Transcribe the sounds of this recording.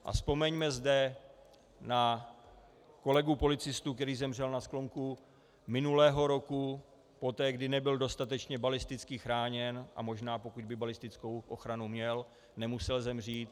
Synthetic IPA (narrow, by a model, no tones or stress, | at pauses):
ʔa̰spo̞mɛɲmɛzdɛ | na | ko̞lɛɡupo̞lɪt͡sɪst̪uːkt̪ɛɾiːzɛmr̝ɛlnasklo̞ŋku | mɪnulɛːɦo̞ɾo̞ku | po̞t̪ɛːɡdɪnɛbɪldo̞st̪at̪ɛt͡ʃɲɛbalɪst̪ɪt͡skɪxɾaːɲɛnʔa̰mo̞ʒnaːpo̞kuɟ̚bɪbalɪst̪ɪt͡sko̞wʔo̞xɾanumɲɛl | nɛmusɛlzɛmr̝iːt̪